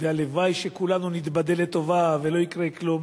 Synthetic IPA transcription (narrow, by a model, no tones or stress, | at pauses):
vealevajʃekulanunit̪bad̪elet̪o̞vavelo̞ikʁeklum